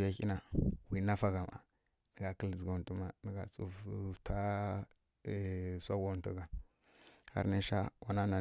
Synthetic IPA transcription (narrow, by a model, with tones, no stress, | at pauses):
ja˦ki˦na˨wi˨na˦fa˦ɡa˨ma̰˨ | nə˨ɡa˨kə˦ld͡zɡo˨n˨tu˦ma˨nə˨ɡa˨t͡sṵ˦fta˦˨ | sʷa˦ɡo˦n˦tu˦ɡa˨ | ha̰˦ɾna˦ʃa̰˦wa˨na˦na˨